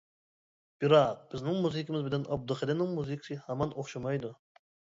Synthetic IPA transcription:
b̥ɪɾɑq̚b̥ɪznɪŋmuzɪkʲɪmɪzbɪlɛnʔɑb̚d̪ɨχɪlɪnɪŋmuzɨkʰʲsɨhæmɑnoχʃɑmɑjd̪u

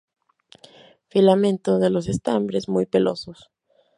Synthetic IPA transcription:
filamẽ̞nt̪oðelo̞s̬e̞st̪ambɾe̞zmujpe̞lʔo̞̰sos

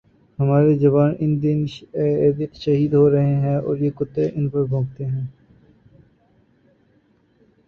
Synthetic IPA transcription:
hɐmaːɾed͡ʒɐbaːnɪnd̪ɪnː | d̪ɪqʃɐɦiːd̪ɦoɾɐɦeɦɛ̃ːɔ̰ːɾjekʊt̪ːeʔɪnpɐɾbʱõːɡt̪eɦɛ̃ː

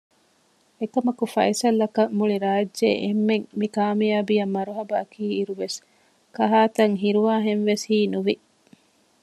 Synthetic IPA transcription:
ekɐmɐkufɐ̰jsɐlːɐkɐmːuɭiɾaːd͡ʒʒḛʔemːeŋmikaːmijaːbijɐmːɐɾuɦɐbɐːkʰiːiɾuʋes | kɐɦaːt̪ɐŋɦiɾuʋaːɦenʋeshiːnuʋi

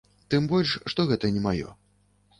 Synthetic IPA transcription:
t̪ɨmbɔlʲʂʂt̪ɔɣɛt̪ɐnʲɛmajɔ̰

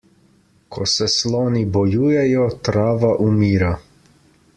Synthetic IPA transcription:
kʰɔsɛslɔːnibɔjuːjɛjɔt̪ɾaːʋaʔumiːɾa

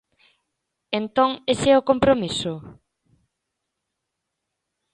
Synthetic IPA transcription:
ent̪oŋesɛʊkompɾomisʊ

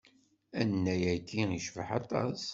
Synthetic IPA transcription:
ænːæjæjt̪ːiiʃvəħɑt̪ˤɑ̰s

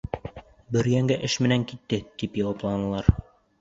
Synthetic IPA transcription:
bɘ̆ɾjæŋɡæʔɘʃmɘ̆næŋkit̪ːɘt̪ipjɑwɑplˠɑnɤ̆lˠɑɾ

